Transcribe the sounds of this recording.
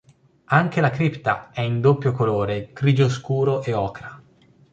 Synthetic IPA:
aŋk̟elakɾipt̪a̰ɛind̪opːjokoloːɾeɡɾiːd͡ʒoskuːɾoʔeɔːkɾa

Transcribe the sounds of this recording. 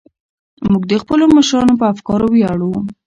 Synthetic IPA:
muɡd̪əxpəloməʃɾɑnopəafkɑɾowjɑɽawu

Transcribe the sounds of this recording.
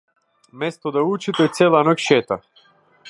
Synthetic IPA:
mɛst̪ɔd̪aut͡ʃit̪ɛt̪sɛlˠanɔkʃɛt̪a̰

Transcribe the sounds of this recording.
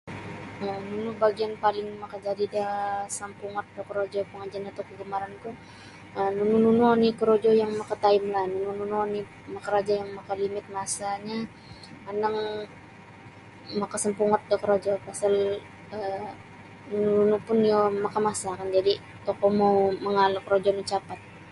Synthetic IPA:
ənunubaɡianpalɪŋmakad͡ʒadidasampuŋɔt̪̚dakəɾod͡ʒɔpəŋad͡ʒaanat̪okəɡəmaɾank̪u | ənununununikəɾod͡ʒɔjaŋmakat̪aɪmlanununununi | makaɾad͡ʒajaŋmakalimɪt̪̚masaɲa | anaŋ | makasampuŋɔt̪̚dɔkɾod͡ʒɔpasal | ə | nunununupʊnjomakamasakand͡ʒadi | t̪okɔmoməŋalakəɾod͡ʒɔnit͡ʃapat̪̚

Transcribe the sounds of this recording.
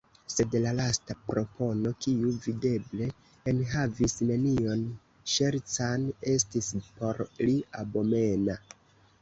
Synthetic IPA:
se̞dlalastapɾo̞po̞no̞kiuvide̞ble̞ː | nɦavisne̞nio̞n | ʃe̞ɾt͡sane̞stispo̞ɾliabo̞me̞na

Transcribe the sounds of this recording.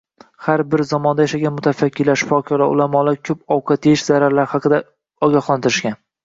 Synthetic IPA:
haɾbɪɾzɒmɒnd̪ajaʃaɡʲanmʊt̪ʰafakʲːɪlaɾʃɪ̥fɒkʲʰɒɾa̰ʊ̰lamɒlaɾkʲʰɵpɒwqʰɑt̪ʰeɪʃz̥aɾaɾlaɾɪhɑqʰɨd̪a | ɒɡʲɒhlˠant̪ʰɪɾɪʃkʲan

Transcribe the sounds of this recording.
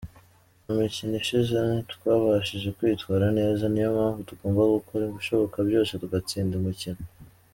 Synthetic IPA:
umiciniʃizetwaːβaʃiʒe̞kwiːtwaːɾane̞ːzanijomaːɱvutuɡo̞ːmbaɡukʰoɾiɡuʃo̞βo̞kabjo̞ːsetuɡat͡siːndemucini

